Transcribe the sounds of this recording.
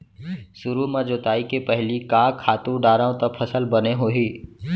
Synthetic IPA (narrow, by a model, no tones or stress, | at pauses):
sʊɾumãd͡ʒoːt̪aːikepəɦlikaːkʰːaːt̪ũɖaːɾãːõt̪ɐpʰəsəlbəneɦoːɦiː